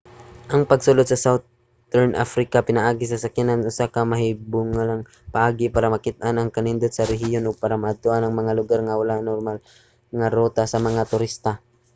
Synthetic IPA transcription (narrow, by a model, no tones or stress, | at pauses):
ʔɐŋpɐɡsʊlod̪sɐsawt̪ | t̪ɛɹnʔa̰fɾɪkɐpɪnaʔaːɡɪsɐsɐkjanɐŋʔʊsakɐmɐhibʊŋalɐŋ | pɐʔaːɡɪpaːɾɐmɐkɪt̪̚ʔanɐŋkɐnɪnd̪od̪sɐɾɛɦɪjonʔopaːɾɐmɐʔɐd̪̚t̪oʔanɐŋmɐŋalʊɡaɾŋɐwɐlanoɾmal | ŋɐɾoːt̪asɐmɐŋat̪ʊɾist̪ɐ